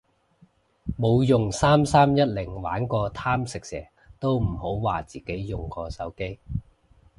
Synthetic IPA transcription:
mo˨˧wjʊ˨ŋsaː˥msaː˥mjɐ˥t̚lɪ˨˩ŋwa̰ː˨˥nkɔː˧t̪ʰaː˥msɪ˨k̚sɛ̰ː˨˩ | t̪o˥wm̩˨˩ho˨˥wwaː˨˩t͡siː˨ke˨˥jːjʊ˨ŋkɔː˧sɐ˨˥wke˥j

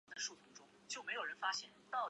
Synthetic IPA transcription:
d̪ə˩˦ʂu˥˩t̪ʰʊ˧˥ŋʈ͡ʂʊ˥ŋt͡ɕjo˥˩ʊme˧˥ɪjo˨˩ʊɻə˧˦˥nfa˥ɕjɛ˥˩n˧˥t̪ɑ˥˩

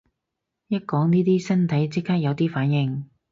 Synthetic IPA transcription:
jɐ˥t̚kɔː˨˥ŋniː˥t̪̬iː˥sɐ˥nt̪ʰɐ˨˥jt͡sɪ˥kʰːaː˥k̚jɐ˨˧wt̪iː˥faː˨˥njɪ˨˩ŋ

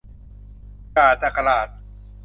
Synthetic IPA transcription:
aː˨˩t̪a˨˩kʰa˧laː˨˩t̪̚

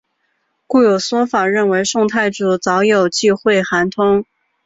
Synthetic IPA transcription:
ku˥˩jo˨˩ʊswɔ˥fa˨˩ɻə˥˩nwe˧˥ɪʂʊ˥˧ŋt̪ʰa˥˩ɪʈ͡ʂu˨˩t͡sɑ˧˥ʊjo˨˩ʊt͡ɕi˥˧xwe˥˩ɪxa˧˥nt̪ʰʊ˥ŋ

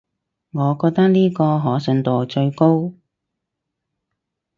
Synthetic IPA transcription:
ŋɔː˨˧kɔː˧k̚t̪ɐ˥k̚niː˥kɔː˧ɦɔː˨˥sɵ˧nt̪o˨wt͡ʃɵ˧ɥko˥w

